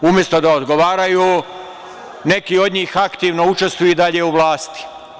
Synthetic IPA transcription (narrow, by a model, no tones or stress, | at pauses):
umje̞st̪od̪aod̪ɡoʋaːɾajuː | ne̞kiːo̞d̪ɲiːxakt̪iːʋno̞ut͡ʃe̞st̪ʋujud̪aʎeuʋlˠaːst̪i̥